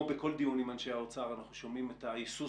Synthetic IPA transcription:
beko̞ld̪iunimanʃeaot͡saʁanaχuʃo̞mimetajisu

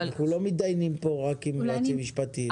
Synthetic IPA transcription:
naχnulo̞mid̪ajnimpo̞ʁakimlot͡simiʃpat̪i

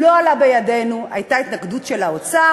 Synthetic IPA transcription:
lo̞alabe̞jade̞nua̰jtait̪naɡdutʃe̞laot͡sa

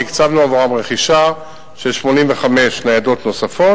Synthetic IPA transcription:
ikt͡savloavoʁamʁeχiʃa | ʃeʃmo̞nimveχame̞ʃnejado̞t̪no̞safo

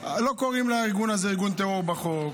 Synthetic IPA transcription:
lo̞ko̞ʁimlaiʁɡunazeiʁɡunt̪eoʁbaχo

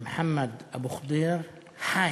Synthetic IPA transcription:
mħamːad̪ʔabuxd̪iːɾ | ħaː

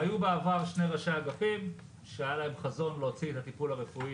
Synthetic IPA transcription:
ajubeavaʁʃne̞ʁaʃaɡafim | ʃeajalaɦe̞mχazo̞nleot͡siet̪hat̪ipulhaʁefui

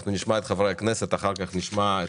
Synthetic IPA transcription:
χnuniʃmaɛt̪χavɾaaknɛsɛt̪aχaɾkaχniʃmaɛ

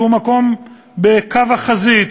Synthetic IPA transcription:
umako̞m | bekavaχazit̪

